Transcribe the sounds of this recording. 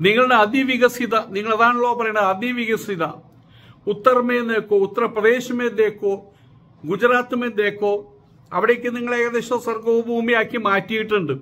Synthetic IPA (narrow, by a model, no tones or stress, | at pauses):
niŋːɐɭɽeɐd̪iʋiɣɐsiðɐniŋːɐɭeðaːɳuɭːoːpɐrɐjuɳɖɐðɐd̪iʋiɣɐsiðɐ | ut̪ːɐrɐmenːekːoːut̪ːɐrɐprɐd̪eːɕɐmend̪e̞ːkːoː | ɡud͡ʑɐɾaːt̪ːumend̪eːkːoː | ɐʋiɽekʲːɨniŋːɐɭeːɣɐðeɕɐsɐrɡoːbʱuːmijaːkːimaːtːijiʈːuɳɖɨ